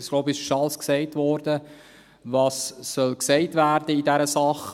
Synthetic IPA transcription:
ɪsɡloʊbɪʃʃɑlsksɛɪtʋɔɾdə | vɑːsːœlksɛɪtvæːɾdəidɛɾəsɑχ

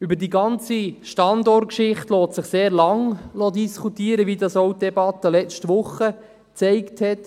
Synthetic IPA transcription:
ybəɾdiɡɑnt͡siʃtɑndɔrt̚kʃɪχtloːtsɪχseːɾlɑŋlod̪iskʰutiːəɾəʋidɑsowt̚dɛbɑt̪əlɛt͡stʋʊχːə | t͡sɛɪkthɛt

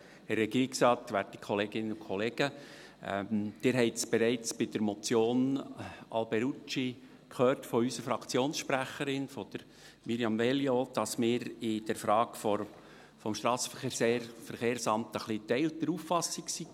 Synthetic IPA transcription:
ɛrːɛɡ̥iːɾiksɾɑːtʋæɾti̥kχɔleːɡɪnəʊkʰχɔleːɡ̥ə | ɛ̰md̪̥ɪɾɦɛɪtsb̥ɛɾɛɪt͡sb̥ɪd̥əɾmɔt͡sjoːnʔɑ̰lbɛɾut͡ʃi | kʰhøːrtfɔysəfɾɑkʰt͡sjoːnsʃpɾæχəɾɪnfɔd̥̪əɾ | miɾjɑmvɛljod̥ɑsmɪːɾɪd̥ɛɾfɾɑːɡfɔ | fɔmʃtɾɑːsəfəχeːseːɾfəɾχeːɾsɑmt̪əχlitɛɪlt̪əɾuːfɑsɪksi

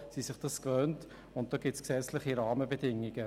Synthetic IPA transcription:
sisɪχd̥ɑskvœnt | ʊnt̚d̥oːɡɪtt͡sksɛt͡slɪχiɾɑːməbədɪŋɪɡ̥ə

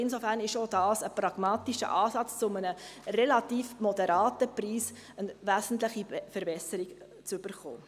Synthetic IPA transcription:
ɪnsofæːɾnɪʃodɑːsəpɾɑɡ̥mɑːtiʃə̰ʔɑːsɑt͡st͡sʊmənərɛlɑtiːfmɔdɛɾɑːtəpriːs | ənvæzn̩tləχifəɾbɛsəɾiɡ | t͡syb̥əɾχo̰ː

